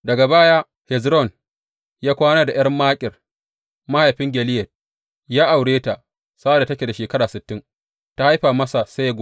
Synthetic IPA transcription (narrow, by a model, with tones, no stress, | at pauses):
dɐ˨ɡa˨baː˦jaː˦ | hɛ˨zɾɔ˦˨n | jaː˦kʷaː˦naː˦da˨ʔɐ˦rmːaː˦kʲʼɪ˨r | ma˦ha˨jɸɪ˦ŋɡʲɛ˨lɪ˦jɛ˨t̚ | jaː˦ʔa˨wɽeː˦ta˨ | saː˦da˨tɐ˦kʲe˨da˨ʃeː˨kɐ˦ɽaː˨sɪ˨tːɪ˦ŋ | ta˦ha˦jɸaː˨mɐ˦sa˨sa˦ja˦ɡʷʊ˦